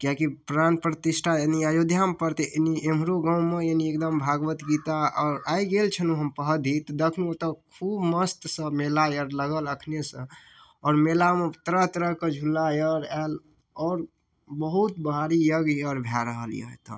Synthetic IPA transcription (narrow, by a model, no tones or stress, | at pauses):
kjakipɾanpɾət̪isʈʰajeniajod̪ʱjampəɾt̪eʔeniem̤ɾoɡaʊ̃meeniek̚d̪əmbʱaɡʋət̪ɡit̪aɔːɾaiɡelt͡ʃʰənuɦəmpəɦəd̪ʱit̪ɔd̪ekʰnuot̪əkʰubməst̪sə̃melajəɾləɡələkʰnesə̃ | ɔːɾmelamet̪əɾəɦt̪əɾəɦkəd͡ʒʱulːajəɾal | ɔːɾ | bəɦut̪bəɦaɾijəɡjəɾbʱjaɾəɦəlḭjḛɦot̪ə̰